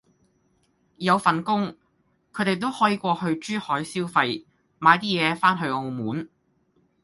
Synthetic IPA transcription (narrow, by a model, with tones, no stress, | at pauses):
jɐ˨˧wfɐ˨nkʊ˥ŋ | kʰɵ˨˧ɥt̪e˨˩jt̪̬o˥whɔː˨˥jiː˨˥kʷɔː˧hɵ˧ɥt͡ʃyː˥hɔː˨˥jsiː˥wfɐ˧j | maː˨˧jt̪iː˥jɛː˨˧faː˥nɦɵ˧ɥo˧wmuː˨˥n